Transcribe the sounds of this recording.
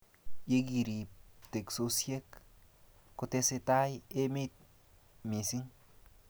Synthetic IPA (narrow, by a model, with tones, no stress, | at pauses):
je˦ɡi˨ɾi˨t̪e˨kso˧sje˦kː | o˨˧t̪e˦se˧t̪a˦je˦me˦t̪̚ | mi˨si˦ŋ